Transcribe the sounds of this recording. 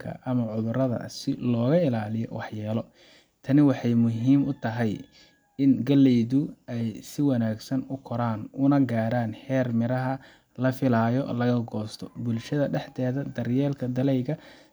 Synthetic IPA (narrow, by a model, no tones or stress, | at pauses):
kʰɐ̰ʔɐmɐʕʊðʊrɐðɐ̰sɪlɔːɣɐɪlaːlɪjɔ̰wɑħjɛːlɔ | t̪ʰɐnɪwɑħɑjmʊɦiːmʊt̪ʰɐɦɛj | ɪnɡɐlːɛjðʊɛjsɪwɐnaːɡsɐnʊkʰɔɾaːnʊnɐɡaːɾaːnħɛːrmɪɾɐɦɐ | lɐfɪlaːjɔ̰lɐɣɐɡɔːst̪ʰɔbʊlʃɐðɐɖɛħt̪ʰɛːðɐd̪ɐrjɛːlkʰɐd̪ɐlɛjɣɐ